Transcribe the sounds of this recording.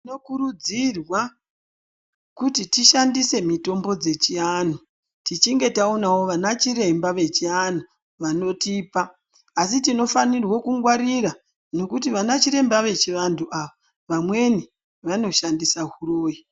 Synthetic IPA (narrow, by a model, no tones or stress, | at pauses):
ino̞kuɾud͡zirwa | kutitiʃandise̞mito̞mbo̞d͡ze̞t͡ʃian̤u | tit͡ʃiŋɡe̞taonawo̞ʋanat͡ʃiɾe̞mbaʋe̞t͡ʃian̤u | ʋano̞tiːpaː | s̬itino̞fanirwo̞kuŋɡwaɾiɾa | no̞kutiʋanat͡ʃiɾe̞mbaʋe̞t͡ʃiʋantʰuʔaʋa | ʋamwe̞ni | ʋano̞ʃandisaɦuroːji